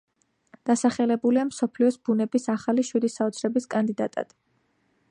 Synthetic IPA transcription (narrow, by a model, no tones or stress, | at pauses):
d̪̥asaχɛlɛbuliamsɔpʰliɔsb̥unɛbisaχaliʃwid̪isaɔt̪sʰɾɛbiskʼand̪id̪a̰t̪ʼa̰d̪̥